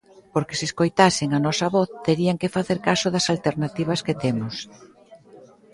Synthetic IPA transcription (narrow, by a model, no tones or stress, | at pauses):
poɾkɪseskojt̪asɪŋɐnɔsɐβɔθt̪eɾiaŋkɪfaθeɾkasʊðɐsalt̪eɾnat̪iβ̞ɐsket̪emʊs